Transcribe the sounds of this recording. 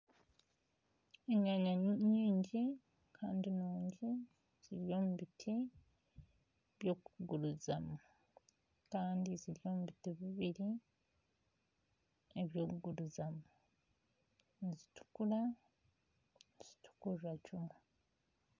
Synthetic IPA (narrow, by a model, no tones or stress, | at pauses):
eɲaɲaɲiːɲɟi | kʰaːndinoːɲɟi | z̥iɾijo̞ːmuβitʰi | βjo̞ːkuɡuɾuzamu | kaːndiziɾijo̞ːmuβitiβiβiɾi | eβjo̞ːkuɡuɾuzamu | nizitu̥kula | niz̥itʰu̥kuɾacumu